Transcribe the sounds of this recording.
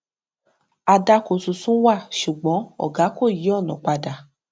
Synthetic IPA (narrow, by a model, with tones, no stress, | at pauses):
a˧da˧ko˨su˨sũ˦wa˦˨ʃu˨ɡ͡bɔ̃˨˦ɔ̰˦˨ɡa˨˦ko˦˨ji˨˦ɔ˦˨nɔ̃˨k͡pa˧da˨